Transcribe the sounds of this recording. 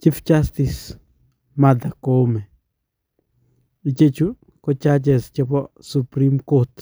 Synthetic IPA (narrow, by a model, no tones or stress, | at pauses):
t͡ʃift͡ʃastis | madakomɛ | it͡ʃet͡ʃu | kɔt͡ʃat͡ʃɛst͡ʃɛpɔsupɾimkot